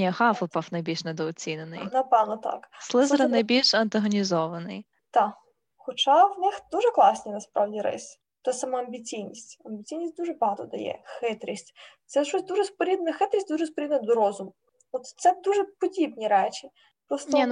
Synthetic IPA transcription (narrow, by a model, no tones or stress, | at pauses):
nʲixɑfˠɔpɐfnɐjbʲilʲʃned̪ɔɔt͡sʲinenɪ̰jnɐpɛʋnɔt̪ɑ̰kslˠɪzɐɾɐnɐjbʲilʲʃɐnt̪ɐɦɔnʲizɔʋɐnɪ̰j | t̪ɑ | xɔt͡ʃɑwnɪxd̪uʒɛklˠɑsʲnʲinɐspɾɑwdʲiɾɪ̰sʲ | t̪ɛsɐmɔɐmʲbʲit͡sʲijnʲisʲtʲɐmʲbʲit͡sʲijnʲisʲtʲd̪uʒɛbɐɦɑt̪ɔd̪ɐ̰jɛ̰xɪt̪ɾʲisʲtʲt̪sɛʃɔsʲd̪uʒɛspɔɾʲid̪nɐxɪt̪ɾʲisʲtʲd̪uʒɛspɔɾʲid̪nɐd̪ɔɾɔzʊm | ɔt̪t̪sɛd̪uʒɛpɔdʲibnʲiɾɛt͡ʃʲi | pɾɔstnɔi